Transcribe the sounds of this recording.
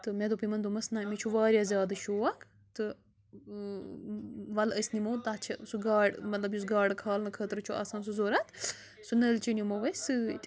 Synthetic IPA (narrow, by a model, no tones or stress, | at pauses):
t̪ɨmed̪opimɐnd̪umɐsnaːmet͡ʃʰuʋaːɾʲjazʲjaːd̪ɨʃoːakʰ | t̪ɨ | ʋɐləsnimoːt̪at͡ʃʰɐsuɡaːɖmɐt̪lɐbjusɡaːɖkʰaːlnɨkʰət̪ɾɨt͡ʃʰuʔa̰ːsaːns̬uzoːɾɐt̪ʰ | sunəlt͡ʃinimoʋɐsɨt̪